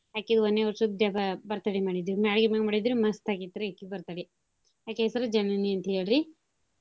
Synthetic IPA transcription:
jaːked̪ɔnːeʋɐɾsɐd̪ɖɐbɐbɐɾt̪aːɽimaːɽid̪iɾumaːɽɡimaɡmaːɽid̪iɾumɐst̪ʰakit̪ːiɾaːkːibɐɾt̪aːɽi | jaːkeːsɐɾɐd͡ʒɐnmɐniɐnt̪ɦeːɽɾi

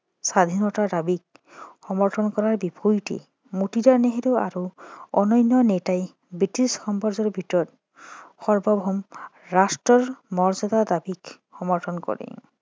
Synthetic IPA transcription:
sad̪ʱinɔtadabik̚ | xɔmɔɹtʰɔnkɔɹaɹbipʰujʈḭ | mutidaneɦeɾea̰ɾuɔnɔjnːɔnetaj | bɹitisxɔmpɔɹzɔɹbʱitɔɹɔt | xɔɹbɔbʱɔmɹastɹɔɹmɔɹzɔd̪ad̪abik | xɔmɔɹtʰɔnkɔ̰ɹḭ

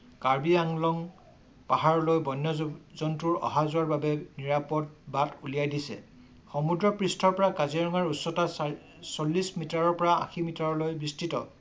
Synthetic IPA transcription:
kaɹbiaŋlɔŋ | paɦaɹɔlojbɔjnːɔzɔntuɹɔ̰ɦazʊaɹbabɛniɹapɔt̚batulijajdisɛ̰ | xɔmudɹɔpɹistʰɔɹpɔɹakaziɹɔŋaɹusːɔta | solːismitaɹɔɹpɔɹaã̰ximitaɹɔlojbistitɔ̰

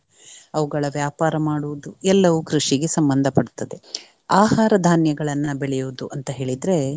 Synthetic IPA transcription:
ɐʋuɡɐɭɐʋjaːpaːɾɐmaːɽuʋud̪uɛlːɐʋukɾuʂiɡe̞sɐmbɐnd̪ʱɐpɐɽut̪ːɐd̪e̞ | aːɦaːɾɐd̪ʱaːnjɐɡɐɭɐnːɐbeɭɛjuʋud̪uʔɐnt̪ɐɦe̞ːɭid̪ɾe̞

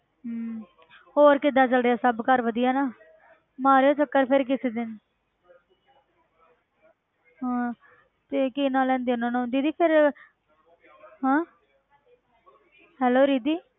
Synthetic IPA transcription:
hoːɾkɪd̪aːt͡ʃəlɖejaːsəbkəɾʋəd̪ɪjaːnaː | maːɾjoːt͡ʃəkːəɾpʰɪɾkɪseːd̪ɪn | ɦãː | t̪eːkiːnãːlɛ̃ːnd̪eːʊnãːnũːnd̪iːd̪iːpʰɪɾ | ɦãː | ɦɛːloːɾiːd̪iː

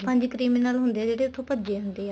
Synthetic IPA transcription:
pə̃ɲd͡ʒkɾiːminəlɦʊnd̪eːɛːd͡ʒeːɽeːʊt̪ʰːõːpəd͡ʒeːɦʊnd̪eːɛː

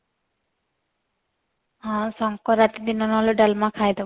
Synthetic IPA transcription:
ɦãsɔŋkɔɾat̪id̪inɔnɔɦɔloɖalmakʰajd̪e

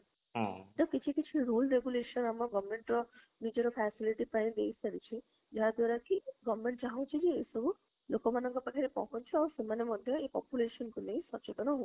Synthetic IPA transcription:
ʈɔkit͡ʃʰikit͡ʃʰiɾulɾeɡuleʃɔnamɔɡɔbɔɾmeɳʈɾɔ | nid͡ʒɔɾɔpʰɛsiliʈipãĩd̪ejsaɽit͡ʃʰi | d͡ʒaɦad̪waɾakiɡɔbmeɳʈt͡ʃaɦɔ̃t͡ʃʰid͡ʒeesɔbu | lokɔmanɔŋkɔpakʰaɾekɔ̰ɦɔnt͡ʃʰiawsemanemɔd̪ʱjɔepɔ̰pjuleʃɔnkunejsɔt͡ʃet̪ɔnɔɦo

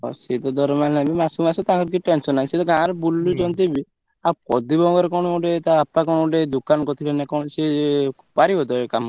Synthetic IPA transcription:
ɔ̰set̪ɔd̪ɔɾɔmannabimasumasɔt̪ãkɔɾk̬iʈensɔnːaĩset̪ɔɡãɾɔbulːud͡ʒɔnt̪ibi | akɔd̪ibɔ̃ɡɔɾkɔɽ̃ɔoɖet̪aːpːak̬ɔɽ̃oɖed̪ukankɔt̪ʰilenakɔ̃se | paɾibɔd̪ɔekam

